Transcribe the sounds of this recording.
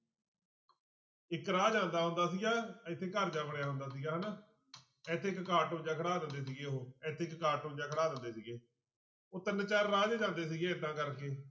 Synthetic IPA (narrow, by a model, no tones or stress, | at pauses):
ɪkɾaːd͡ʒãːnd̪aːɦʊ̃nd̪aːsiːɡaːɪt̪ʰːeːkəɾd͡ʒaːbəɳjaːɦʊ̃nd̪aːsiːɡaːɦəna | ɛːt̪ʰːeːɪkkaːʈõːd͡ʒaːkʰəɽaːd̪ə̃nd̪eːs̬iːɡeːɦoːɛːt̪ʰeːɪkkaːʈɦõːd͡ʒaːkʰəɽaːd̪ə̃nd̪eːsiːɡeː | ot̪ənət͡ʃaɾːaːd͡ʒːd͡ʒãːnd̪eːs̬iːɡeːət̪ãːkəɾkeː